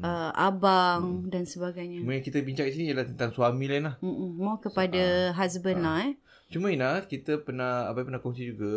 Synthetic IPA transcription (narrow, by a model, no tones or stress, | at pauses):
əʔa̰baŋdansəbaɡajɲauməjaŋkit̪əbiɲt͡ʃakdis̬inijəlaht̪ənt̪aŋsuamĩlainlahm̩ʔm̩mawkəpadaɦasbənlaɛ | t͡ʃumə̃inahkit̪əpənahabajpənahkɔŋsid͡ʒuɡa